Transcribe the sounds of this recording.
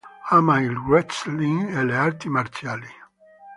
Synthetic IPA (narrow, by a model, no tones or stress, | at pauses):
aːmailwɛsliŋeleaɾt̪imaɾt͡sjaːli